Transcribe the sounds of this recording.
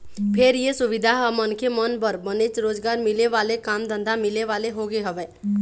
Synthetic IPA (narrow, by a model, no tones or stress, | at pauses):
pʰeɾjesʊʋɪd̪ʱaɦəmənkemənpəɾbənet͡ʃɾoːd͡ʒɡaːɾmɪleʋaːlekaːmd̪ə̃nd̪ʱamɪleʋaleɦoɡeɦəʋɛː